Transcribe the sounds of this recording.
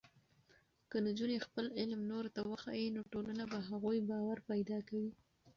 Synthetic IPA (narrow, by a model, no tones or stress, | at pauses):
kənad͡ʒunexpəlɪlmnoɾt̪awəxɑ̰jinoʈolanabaɦaɣujbɑwaɾpajd̪ɑkawi